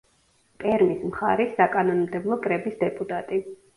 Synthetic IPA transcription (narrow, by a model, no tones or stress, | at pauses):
pʼɛɾmismχa̰ɾɛsːakʼanɔnmd̪ɛblˠɔkʼɾɛbisd̪ɛpʼut̪ʼat̪ʼi